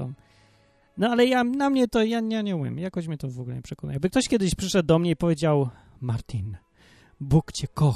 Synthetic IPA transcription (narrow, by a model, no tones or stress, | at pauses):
ɔ̰m | nɔalɛjanamɲɛt̪ɔjaɲaɲɛumʲjɛ̰mjakɔɕmɲɛt̪ɔvɔɡulɛ̰ɲɛpʂɛkɔna̰jɛbɨk̚t̪ɔɕkʲjɛd̪ɘɕpʂɘʂɛd̪̚d̪ɔmɲɛipɔvʲjed͡ʑaw | maɾt̪ʲʰin | bukt͡ɕɛkɔx